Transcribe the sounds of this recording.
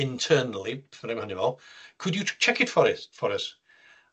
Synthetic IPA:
ɪ̃ntʰɜːnəlˠifnẽmhanɪmɔlˠkʰʊdjət͡ʃʰɛkɪtfəɾɪfəɾəs

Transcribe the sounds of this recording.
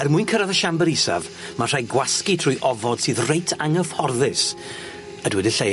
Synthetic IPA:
ɛrmʊɨnkʰəɾaðəʃambɛɾisa̰v | mar̥ajɡwaskitʰr̥ʊːjʔɔvɔd̥sɨːðrejtʰaŋəfhɔrðɪs | ədwɛdɪɬe

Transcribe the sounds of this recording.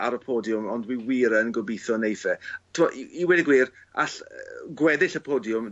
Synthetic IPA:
aɾəpʰɔːdjʊmɔndwiwiːɾənɡɔbiθɔnejθɛtʰɪmɔʔiwɛdɪɡwiːr | a̰ɬɡwɛðɪɬəpʰɔːdjʊm

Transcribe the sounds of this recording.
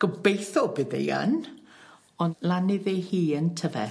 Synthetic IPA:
ɡ̥əbejθɔbɨðḛjə̰n | ɔnlanɪðehiːəntʰəvɛ̰

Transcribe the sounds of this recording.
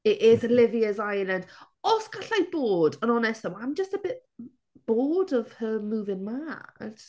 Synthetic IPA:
ɪʔɪzəlɪviəzajlˠənd̥ | ɔskʰaɬajb̥oːdənɔnɛstəmãmd͡ʒəstəbɪʔ | b̥oːdəv̥həmuːðɪnmad

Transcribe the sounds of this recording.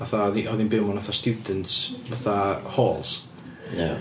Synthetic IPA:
aθaɔðiɔðinbɪmɔnaθastjudəntsvaθahoːlˠs | a̰

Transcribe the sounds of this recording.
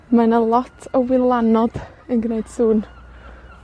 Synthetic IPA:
manalˠɔtʰəwɪlˠanɔd̥ | ənɡneɨd̥suːn

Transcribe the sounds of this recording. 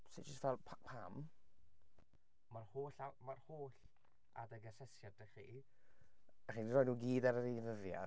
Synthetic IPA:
si̥d͡ʒəstvɛlˠpʰapʰam | marhoːɬamarhoːɬ | a̰dəɡəsɛsjadəχi | aχiːndirɔːnuːɡiːdaɾəɾinəðja̰

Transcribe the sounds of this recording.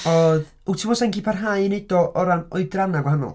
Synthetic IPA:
ɔð | uwtʰɪmɔsɛŋɡipʰarɦajned̥ɔʔɔɾanɔɨdranaɡwaɦanɔ̰lˠ

